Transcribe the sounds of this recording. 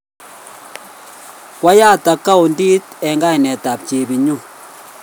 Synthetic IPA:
kwa˦jaː˦ta˨ka˦wu˨ndi˦tɛ˨ŋɡa˦i˨nɛ˨ta˨p̚t͡ʃe˨bi˨ɲu˦

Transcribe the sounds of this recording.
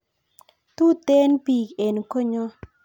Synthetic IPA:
t̪u˦t̪e˦npi˨ke˨n˨ko˦ɲɔ˦

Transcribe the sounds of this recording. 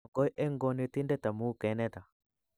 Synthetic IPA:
kɔ˦jʔɛ˦ŋɡɔ˨ne˨t̪i˦ndɛ˦t̪a˨mu˦kɛ˨˦nɛ˦t̪a˨

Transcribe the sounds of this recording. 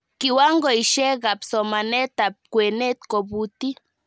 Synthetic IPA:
ki˨wa˦ŋɡɔ˨i˨ʃɛ˦ɣa˨psɔ˨ma˨nɛ˦t̪a˨p̚kwe˨nɛ˦t̪kɔ˨bu˨ti˦

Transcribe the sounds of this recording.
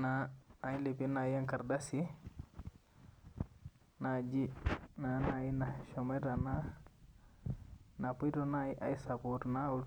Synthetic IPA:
naː˨˦li˨pi˦na˨ja˦ŋka˨ɾda˦si | na˨d͡ʒi˦na˨na˨ji˦na˨ʃɔ˨mɛ˦ɾa˨na˦ | na˨pu˦jtona˦iʔa̰˨i˦sa˨potnau

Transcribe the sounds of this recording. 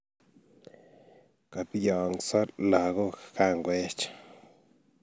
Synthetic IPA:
ka˨pjo˨ŋsa˦ɾla˨ɡo˦ka˦˧ŋɡwe˦t͡ʃ

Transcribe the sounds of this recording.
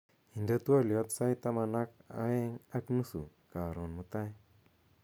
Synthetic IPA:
i˨nda˦t̪u˦a˦ljɔ˦t̪sa˦jt̪a˦ma˧na˦ka̰˦e˦ŋa˦knu˦su˨ | ka˨ɾo˨nmu˦t̪a˦j

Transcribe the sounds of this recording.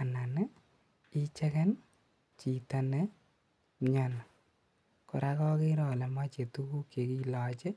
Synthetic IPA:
a˨na˨nɛ˦ | i˦t͡ʃɛ˦kɛ˦n | t͡ʃi˨ta˦nɛ˦ | ɲana˨ | kɔ˨ɾa˦kɔ˦kɪ˦ɾɔ˨lɛ˨ma˦t͡ʃe˨tu˦ku˦ke˨ki˦lɔː˨t͡ʃɛ˦

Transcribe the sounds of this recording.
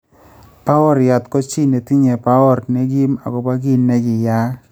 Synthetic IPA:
pa˦wɔ˦ɾja˨t̪kɔ˦t͡ʃi˦ne˨ti˦ɲe˨pa˦ɔ˦ɾne˦ɡi˦ma̰˨kɔ˨ba˦ɡi˦nːɛ˦d͡ʒɪ˨ja˦

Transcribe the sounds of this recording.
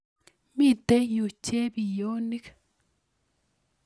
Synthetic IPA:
mi˦˨de˦jo˨t͡ʃːe˦bi˨jo˦ni˦k

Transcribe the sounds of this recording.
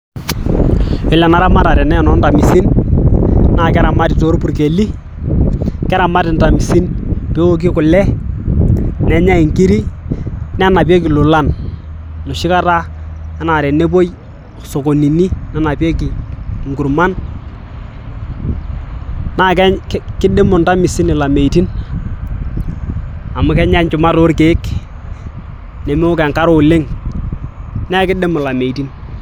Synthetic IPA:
ɪ˨lɛ˨na˨ɾa˦ma˦˨ɾa˨ɾɛ˨nɛ˦˨nɔ˦nda˨mi˨si˦n | na˨kɛ˦ɾa˨ma˦tɪ˨to˨˦ɾpu˦ɾke˨li˦ | kɛ˦ɾa˨ma˦tɪ˨nta˨mi˨si˦npe˨˦o˦k̬i˦kʊ˨lɛ˦ | nɛ˨˦ɲa˦i˨ŋki˦ɾi˦ | nɛ˦a˦na˨p̬ɛ˦k̬ɪ˨lʊ˨la˦˨n | no˨ʃɪ˦ka˦ta˦ɛ˦na˨ɾɛ˨ne˦b̬o˦j | so˨ko˨ni˨ni˦na˦na˨pɛ˦ki˨ŋɡu˨ɾma˦n | na˦˨kɛ˦kkɪ˦de˦mʊ˨nta˦mɪ˨sɪ˦nɪ˨la˨me˨i˨ti˦n | a˨mʊ˦kɛ˦ɲa˦ɲt͡ʃʊ˨ma˦to˦ɾke˨ɪ˦k | nɛ˨me˦ʊ˦kɛ˨ŋka˦ɾo˨lɪ˦ŋ | n˦a˦kɪ˦de˦mʊ˨la˨me˨i˨ti˦n

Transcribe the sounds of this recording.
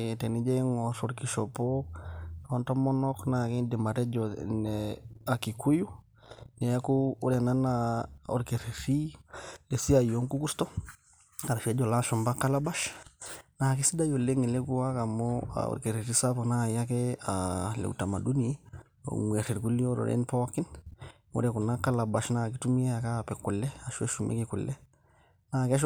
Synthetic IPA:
tɛ˨ni˦d͡ʒɛ˦ŋɔ˨ɾɔ˦ɾki˨ʃɔ˨pɔ | ɔntɔ˦mɔ˦nɔ˦kna˨kɛ˦nde˨ma˨ɾɛ˦d͡ʒɔ˨nɛa˨ki˨ku˦ju˦ | nɛ˨ja˦kuː˦ɾɛ˨na˦naɔ̰˨ɾkɛ˨ɾi˨ɾi˦lɛ˨si˦a˨ijɔ˦ŋku˦kɾi˦stɔ˦ | a˨ɾa˨fɛ˦d͡ʒɔ˨la˦ʃɔ˨mba˦ka˦la˦ba˦ʃ | na˨ki˦si˦da˦jɔ˨le˦ŋɛ˨lɛ˦ku˦a˦ka˨mɔa̰ɔ̰˨ɾke˨ɾi˨ɾi˦sa˦pɔ˨na˦˨ja˦kɛalɛ̰˨ṵ˨ta˨ma˨du˦ni˨˦ | o̰˨ŋwe˨ɾi˨ɾku˦li˦ɔ˦ɾɔ̰˨ɾʔɛ̰˦npɔ˦ki˦nmo̰˦ɾɛ˨ku˨na˦ka˦la˨ba˨ʃna˨ki˦tu˦mi˦ɛ˦a˨ka˦˨pɛ˨ku˨lɛ˦a˨ʃwɛ̰˦ʃu˨mʔɛ̰˦kikṵ˨lɛ˦ | na˦˨kɛ˦ʃ̬

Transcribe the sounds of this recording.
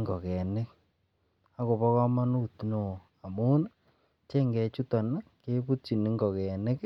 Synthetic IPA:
ŋɡɔ˨kɛ˨nɪ˦k | a˦ko˨pɔ˦kɔ˦ma˦nu˦tno˨ | a˨mu˦n˦ | t͡ʃe˦ŋɡɛ˨t͡ʃu˦tɔ˨na˦ke˦pu˦t͡ʃi˨nɪ˦ŋɡɔ˨kɛ˨nɪ˦k

